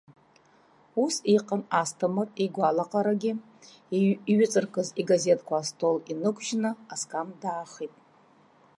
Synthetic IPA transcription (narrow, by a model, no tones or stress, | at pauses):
usiqʼənastʰamɨriɡʷalaqʼaɾaɡʲɪ | ɥɪt͡sʼɨrkʰʼɨziɡaze̞tʰʼkʷʰaːstʰo̞linɨkʷʰʼʒnɨaskʼamdaːχitʼ